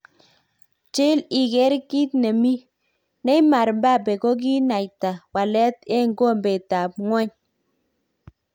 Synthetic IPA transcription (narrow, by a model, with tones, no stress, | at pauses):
t͡ʃe˦li˨ɡɛ˦ɾki˦t̪ne˨mi˦ | nɛ˦jma˨ɾmba˦˨bɛ˨ko˦ɡ̬i˦na˨jta˨wa˨lɛ˦tɛ˦˨ŋɡo˦˨mbe˨ta˨p̚ŋwɛ˦ɲ